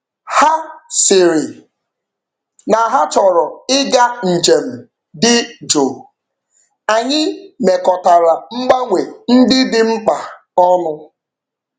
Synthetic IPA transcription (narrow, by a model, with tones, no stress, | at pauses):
ha˦sɪ˨ɾɪ˨ | na˨ɦa˦t͡ʃɔ˨ɾɔ˨ɪ˦ɡa˦n̩˨d͡ʒe˨m̩˨ | dɪ˦d͡ʒo˨ | a˨ɲɪ˦me˨kɔ˨ta˨ɾa˨ŋ͡m̩˦ɡ͡ba˦ŋʷe˨n̩˦dɪ˦dɪ˦ŋ͡m̩˦k͡pa˨ | ɔ˦nʊ˦